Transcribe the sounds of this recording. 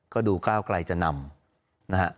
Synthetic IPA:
kɔː˥˩duː˧kaː˥˩wkla˧jt͡ɕa˨˩ʔna˧m | na˦˥hʰa˦˥ʔ

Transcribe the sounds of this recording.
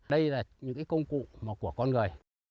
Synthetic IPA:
ɗə˧jlaː˨˩ɲɨ̰˧˥ŋkaː˨˦kə˧wŋ͡mkṵ˧˨ʔmaː˨˩ku˧˩əkɔ˧nŋ˨˩əj

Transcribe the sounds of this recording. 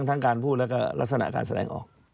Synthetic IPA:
ŋt̪ʰa˦˥ŋkaː˨˧npʰuː˥˩t̪̚lɛː˦˥˩wkɔː˥˩la˦˥sa˧na̰˧˩ka̰ː˧nsa˧dɛː˨˩ŋʔɔ̰ː˨˩k̚

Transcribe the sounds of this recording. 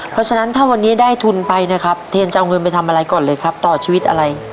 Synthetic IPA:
ppʰɾɔ˦˥t͡ɕʰa˧na˦˥nt̪ʰaː˥˩wa˧nːiː˦˥daː˥˩jt̪ʰu˧npa˧jna˦˥kʰa˦˥p̚t̪ʰeː˧nt͡ɕa˧wŋɤ˧npa˧jt̪ʰa˧mʔa˧ɾa˧jkɔː˨˩nlɤː˧jkʰa˦˥p̚t̪ɔː˨˩t͡ɕʰiː˧wi˦t̪ʔa̰˧ɾa˧j

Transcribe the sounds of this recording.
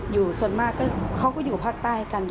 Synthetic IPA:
juː˨˩su˨˩ənmaː˧˥˩kːɔː˥˩kʰa˧˥˩wkɔː˥˩juː˨˩ka˧˩pʰaː˥˩k̚t̪aː˥˩jkaː˧n

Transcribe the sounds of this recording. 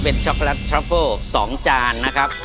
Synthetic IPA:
pe˧nt͡ɕʰɔ˦˥k̚lɛ˦˥t̪̚ːʰɾa˦˥fɤː˥˩sɔː˩˦ŋt͡ɕaː˧nːa˦˥kʰa˦˥p̚

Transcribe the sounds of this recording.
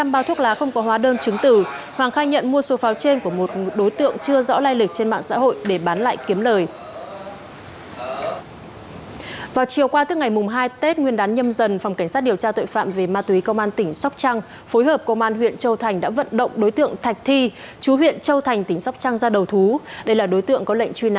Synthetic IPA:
aː˧mɓaː˨˦t̪ʰu˦˥ək̚laː˨˦xə˧wŋ͡mkɔ˨˦ɦwaː˨˦ɗəː˧nt͡ɕɨ˨˦ŋt̪ɨ˧˩hwaː˨˩ŋxaː˧jɲə̰˧˨nmu˧əso˨˦faː˨˦wt͡ɕe˧nku˧˩əmo˨˩t̚ɗo˨˦jt̪ɨ̰˧˨əŋt͡ɕɨ˧əzɔ̰˧˥laː˧jlï˨˩k̚t͡ɕe˧nma̰ː˧˨ŋsa̰ː˧˥ɦo̰˧˨jɗe˧˩ɓaː˨˦nla̰ː˧˨jki˨˦əmləː˨˩j | vaː˨˩wt͡ɕi˨˩əwkwaː˧t̪ɨ˦˥kŋa˨˩jmʊ˨˩ŋ͡mɦaː˧jt̪e˦˥t̚ŋwi˧ənɗaː˨˦nɲə˧mzə˨˩nfwŋ͡mka˧˩ŋ̟saː˦˥t̚ɗəwt͡ɕaː˧t̪o̰˧˨jfa̰ː˧˨mve˨˩maː˧t̪wi˨˦kə˧wŋ͡mʔaː˧nt̪ï˧˩ŋ̟sa˦˥k͡p̚t͡ɕa˧ŋ | fo˨˦jɦəː˨˩p̚kə˧wŋ͡mʔaː˧nɦwḭ˧˨ənt͡ɕə˧wt̪ʰa˨˩jŋ̟ɗa̰ː˧˥və̰˧˨nɗə̰˧˨wŋ͡mɗo˨˦jt̪ɨ̰˧˨əŋt̪ʰa˨˩jk̟̚t̪ʰi˧ | t͡ɕu˨˦ɦwḭ˧˨ənt͡ɕə˧wt̪ʰa˨˩jŋ̟t̪ï˧˩ŋ̟sa˦˥wk͡p̚t͡ɕa˧ŋzaː˧ɗə˨˩wt̪ʰu˨˦ɗə˧jlaː˨˩ɗo˨˦jt̪ɨ̰˧˨əŋkɔ˨˦lə̰˧˨ŋ̟t͡ɕwi˧na̰˧˨

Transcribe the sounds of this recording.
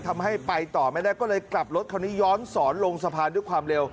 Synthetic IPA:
t̪ʰa˧mɦa˥˩jpa˧jt̪ɔː˨˩ma˥˩jdaː˥˩jkɔː˥˩lɤː˧jkla˨˩p̚lo˦˥t̪̚kʰa˧˩wniː˦˥jɔː˦˥nsɔː˩˦nlo˧ŋsa˧pʰaː˧ndu˥˩jkʰwaː˧mle˧w

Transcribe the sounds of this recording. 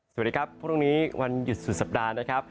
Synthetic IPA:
sa˨˩diː˦˧kʰa˦˥pʰːɾɾuː˥˩ŋniː˦˥˦wa˧nju˨˩t̪̚su˨˩sa˨˩p̚daː˧na˦˥kʰa˦˥p̚

